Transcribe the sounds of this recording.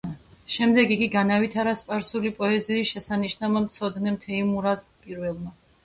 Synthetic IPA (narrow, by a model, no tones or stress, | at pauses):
ʃɛmd̪ɛɡiɡiɡanavit̪ʰaɾaspʼaɾsulipʼɔɛziːsʃɛsaniʃnamamt̪sʰɔd̪nɛmt̪ʰɛimuɾazpʼiɾvɛlˠma